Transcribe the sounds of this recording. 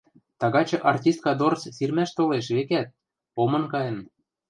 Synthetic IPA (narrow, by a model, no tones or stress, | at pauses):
t̪ɑɣɑt͡ɕɤ̆ʔɑrt̪ʲist̪̚kɑd̪ort͡ssirmæʃt̪oleʃ̬βekæt̪̚ | omɤ̆nkɑjɤ̆n